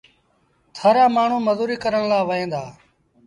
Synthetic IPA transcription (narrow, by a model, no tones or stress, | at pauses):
t̪ʰəɾaːmaːɳ̤ũːməzuːɾiːkəɾəɳlaːʋəẽːnd̪aː